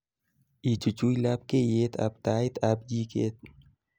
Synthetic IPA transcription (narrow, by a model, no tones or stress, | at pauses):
it͡ʃut͡ʃujlap̚kejeːt̪a̰bt̪aːjt̪ab̚d͡ʒiːkḛːt̪̚